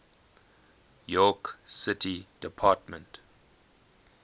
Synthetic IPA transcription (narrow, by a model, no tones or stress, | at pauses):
jɔksɪtʰid̥ɪpʰaːtmə̃nt